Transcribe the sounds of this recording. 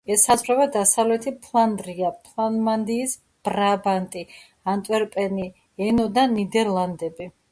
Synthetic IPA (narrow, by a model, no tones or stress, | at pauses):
ɛsazvɾavɛd̪asavlɛt̪ʰipʰlˠand̪ɾiapʰlˠanmand̪iːs | b̥ɾabant̪ʼi | ant̪ʼɛɾpʼɛni | ɛnɔd̪anid̪ɛɾlˠand̪ɛbi